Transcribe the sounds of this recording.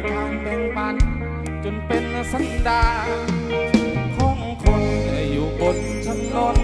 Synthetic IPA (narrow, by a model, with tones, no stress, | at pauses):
t̪ʰaː˧˩mbɛː˧˩ŋpa˧n | t͡ɕo˧˩npe˧n˧sa˧˦˥ndaː˧ | t̪ʰu˧˩ŋkʰɔ˧˥˩ŋkʰo˧na˨˧˩juː˨˩ko˨˧˩n̚t͡ɕʰa˧˥˩nlo˧˥n